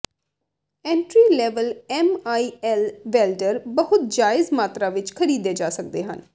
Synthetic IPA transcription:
ɛ̃ːɳʈɾiːlɛːʋəlɛːmaːiːɛlʋɛːlɖəɾbəɦʊt̪̚d͡ʒaːɪzmaːt̪ɾaːʋɪt͡ʃkʰəɾiːd̪eːd͡ʒaːsək̚d̪eːɦə̰n

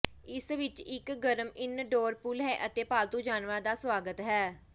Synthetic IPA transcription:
ɪsʋɪt͡ʃɪkɡəɾəmɪnɖoːɾpulɦɛːʔət̪eːpaːlt̪ũːd͡ʒaːnʋãːd̪aːsʋaːɡət̪ɦɛː

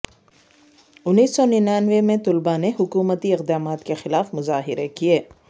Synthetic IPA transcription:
ʊnːiːsːɔninaːnʋemẽt̪ʊlbaneɦʊkuːmət̪iɪqd̪aːmaːt̪kexɪlaːfmʊzaːɦɪɾekieː

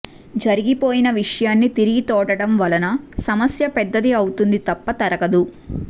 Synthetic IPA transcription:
d͡ʒɐɾiɡipoːjinɐʋiʂɐjaːnːit̪iɾiɡit̪ɔːʈɐɽɐmʋɐlɐnɐsɐmɐsjɐpɛd̪ːɐd̪iɐwut̪und̪it̪ɐpːɐt̪ɐɾɐɡɐd̪u

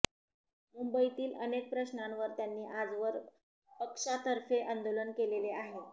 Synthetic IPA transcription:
mumbəit̪iːlənek̚pɾəɕnamʋəɾt̪janːiːʔad͡zʋəɾ | pəkʂat̪əɾfeʔand̪olənkeleleaɦe

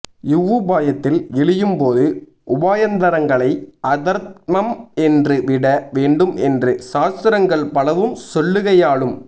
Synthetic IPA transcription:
jɪʋːɯbaːjɐt̪ːɪlɛɭɪjɯmpoːðɯ | ʔʊbaːjɐnd̪ɐɾɐŋɡɐɭɐɪʔɐðɐɾt̪̚mɐmɛndrɯʋɪɽɐʋeːɳɖɯmɛndrɯsaːst̪ɪɾɐŋɡɐɭpɐlɐʋɯmsɔɭːɯɣɐjaːɭɯm

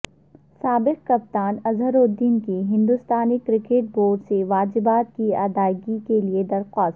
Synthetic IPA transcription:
saːbɪq̚kɐp̚t̪aːnɐzɦəɾoːd̪ːiːnkiɦɪ̃nd̪ʊst̪aːnikɾɪkeːʈ̚boːɖseʋaːd͡ʒɪbaːt̪̚kia̰d̪aːɪɡikelied̪ɐɾxɔːs

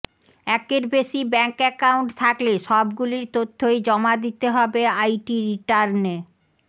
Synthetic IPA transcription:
ɛkeɾbeʃibɛŋkɛkawuɳʈt̪ʰakleʃɔbɡuliɾt̪ot̪ʰːojd͡ʑɔmad̪it̪eɦɔbeajʈiɾiʈaɾne

